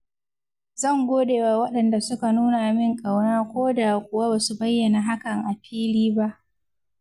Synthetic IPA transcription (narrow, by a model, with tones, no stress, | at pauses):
z̥ɐ˦˨ŋɡʷoː˦deː˨wa˨wɐ˦ɗɐ˨nda˨sʊ˦ka˨nuː˦na˨mɪ˦ŋkʼa˨wnaː˦kʷoː˦daː˨kʷʼʊ˨wa˦baː˨su˨bɐ˦jːɐ˨na˨ɦa˦kɐ˨ŋʔa˨ɸʰiː˦liː˦ba˦ʔ